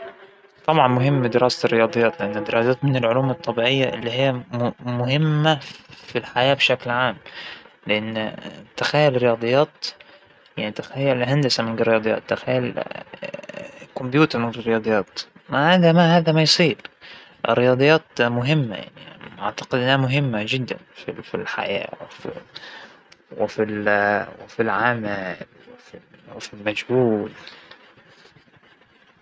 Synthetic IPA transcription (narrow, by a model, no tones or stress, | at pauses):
t̪ˤɑbʕɑnmʊɦɪmːid̪ɪɾɑːsarːɪjɑːd̪ˤɨjːɑːt̪lɪʔanːɪd̪ːɪɾʔɑːsaːt̪mɪnɪlʕʊluːmɑt̪ˤːɑbiːʕɪjːaʔɪ̰lːiɦɪjːammʊɦɪmːafilħajaːbʃaklʕaːmlɪʔanːt̪axajːʊlɾɪjɑːd̪ˤɨjːɑːt̪ | jaʕnit̪axajːʊlɦand̪asamɪnɡɪɾːɪjɑːd̪ˤɨjːɑ̰ːt̪ːaxajːʊl | kʊmbjuːt̪ɑɾmɪnrːɪjɑːd̪ˤɨjːɑːt̪mahaːðamahaːðæmajsˤiːɾ | ʔrːɪjɑːd̪ˤɨjːɑːt̪mʊɦɪmːa̰ja̰ʕnḭʔaʕt̪ḁqɪd̪ʔɪnhamʊɦɪmːad͡ʒɪd̪ːa̰nfifilħa̰ja̰ːwɪfi | wɪfilwɪfilʕaːmalwɪfiwɪfilmad͡ʒhuːl